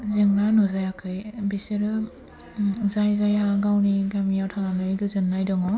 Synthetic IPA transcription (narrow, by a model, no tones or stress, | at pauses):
zɯŋnanuzajakʰɯjbiseɾɯ | zajzajaɡawniɡamijawtʰananɯɡɯzɯnːajdɔŋɔ